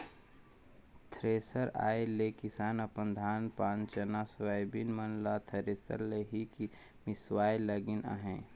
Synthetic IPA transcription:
t̪ʰɾeːsəɾa̰ːelekɪsaːnɐpə̃nd̪ʱaːnpãːnt͡ʃənaswaːjbinmənlat̪ʰəɾeːsə̰ɾleɦiki | mɪswaːjləɡɪna̰ɦɛ̃ː

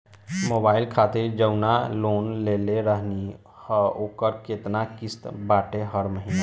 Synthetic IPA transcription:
moːbaːɪlkʰaːt̪ed͡ʒəʊnaloːnleːleɾəɦni | həoːkəɾkeːt̪nakɪst̪baːʈeɦəɾməɦina

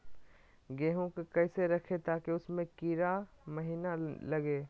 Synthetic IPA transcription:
ɡeɦõkkɛːseɾɐkʰet̪aːkeʊsmẽkiɾamɐɦinalɐɡeː

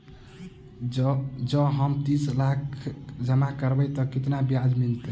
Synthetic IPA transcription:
d͡ʒəɦəmt̪ĩslakʰd͡ʒəmakəɾbəjt̪ɔkit̪nabijad͡ʒmilt̪e

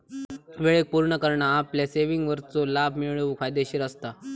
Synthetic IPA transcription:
ʋeɭek̚puɾɳəkəɾɳaːpljaseʋiŋɡʋəɾt͡solabʱmiɭəʋkʰajd̪eɕiːɾəst̪a

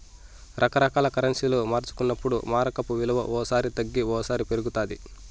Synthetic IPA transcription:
ɾʔɐkɐɾɐkaːlɐkɐɾɐnsiloːmaːɾt͡ʃu̥kunːɐpːuɽumaːɾɐkɐpuʋilɐʋɐ̰ʔɔːɐsaːɾit̪ɐɡːiɔːɐsaːɾipe̞ɾuɡut̪aːd̪i

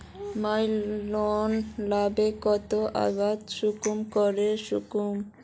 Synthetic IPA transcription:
majlonlabekɔt̪oʔa̰bad̪ʃukumkɔɾeʃukum

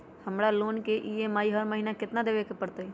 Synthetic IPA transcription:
həmɽaloːnkeʔiemaːiɦəɾməɦinakɪt̪nad̪eːʋekpəɽt̪ei

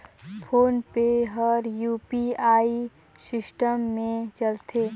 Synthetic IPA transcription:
pʰoːnpeɦəɾjuːpiaːi | sɪsʈəmːẽt͡ʃəlt̪ʰeː

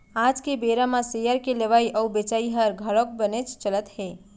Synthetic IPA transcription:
ad͡ʒkebeɾamãsejəɾkeleʋaiʔəubet͡ʃaiɦəɾɡʱəɭok̚bənet͡ʃt͡ʃələt̪ɦe

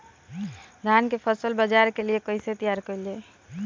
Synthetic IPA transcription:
ɡʱankepʰəsəlbəd͡ʒaɾkeliekəɪset̪ijaɾkəɪle

